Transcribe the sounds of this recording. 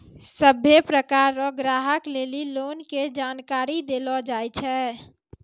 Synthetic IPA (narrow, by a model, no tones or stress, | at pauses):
səbʱjepɾəkaːɾɔɡɾaːɦəkleːliloːnked͡ʒaːnkaːɾid̪elɔd͡ʒaːjt͡ʃʰɛ